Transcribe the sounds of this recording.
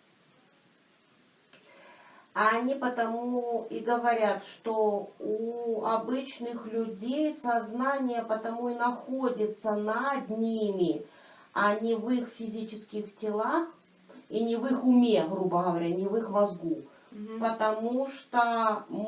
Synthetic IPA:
ɐnʲipət̪ɐmuiɡəvɐɾʲat̪ʂt̪ouɐbɨt͡ɕnɨxlʲʊdʲejsɐznanʲɪjəpət̪ɐmuinɐxodʲɪt̪sənɐd̪ʲnʲimʲɪ | ɐnʲɪvɨxfʲɪzʲit͡ɕɪskʲɪxtʲɪlˠax | inʲɪvɨxʊmʲe̞ɣɾubəɣəvɐɾʲanʲɪvɨxmɐzɡu | pət̪ɐmuʂt̪o

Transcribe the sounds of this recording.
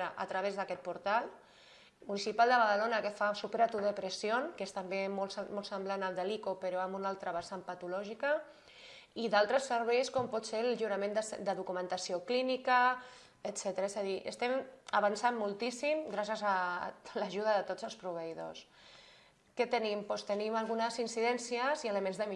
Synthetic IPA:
ɾəʔə̰t̪ɾəβ̞ezðəkɛt̪̚puɾt̪al | munisipalˠd̪əβ̞að̞əlonəkefasupeɾat̪uðəpɾəsionkest̪əmbemolsmɔlˠsəmblanəlˠd̪əlikopəɾoambunalˠt̪ɾəβasampət̪ulɔʒikə | iðalˠt̪ɾəsəɾβɛjskɔmpɔt̪selʒuɾəmend̪əsd̪əðukumə̃nt̪asioklinikə | ət̪sɛt̪əɾaezaðiʔə̰st̪ɛmaβansammːulˠt̪isimɡɾasjəzalaʒuð̞əðət̪od͡zəlˠspɾuβ̞əiðo̰s | kɛt̪ənimpɔst̪ənimalˠɣ̞unəzinsiðɛnsiəziələmẽnzðəmi

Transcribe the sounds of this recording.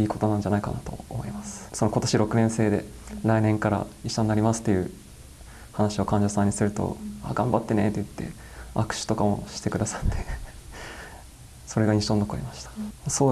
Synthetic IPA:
iːko̞t̪o̞nãɲ̟d͡ʑanaikanat̪o̞̰omo̞imasɨ̥so̞no̞ko̞t̪o̞ɕiɾo̞kɯ̟nẽse̞ːd̪e̞̰ | ɾainẽ̞ŋkaɾa̰iɕːaɲiːaɾʲimasɨ̥t̪ːe̞jɯ̟ | hanaɕio̞kãɲ̟d͡ʑosãɲ̟ːisɨɾɯ̟t̪o̰aːɡãmbat̪ːe̞ne̞t̪ːejɯ̟t̪ːe̞̰ | akɯ̟̥ɕi̥t̪o̞kamo̞̰ɕi̥t̪e̞kɯ̟d̪asḁt̪ːe̞̥ | so̞ɾe̞ɡaɲʲiɕõ̞nːokoimaɕi̥t̪ḁasoː

